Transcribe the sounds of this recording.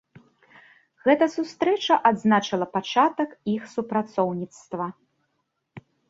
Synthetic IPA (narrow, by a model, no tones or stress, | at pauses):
ɣɛt̪ɐsust̪ɾɛt͡ʂɐʔad̪znat͡ʂɐlˠɐpat͡ʂat̪ɐkixsupɾat̪sɔwnʲit̪st̪vɐ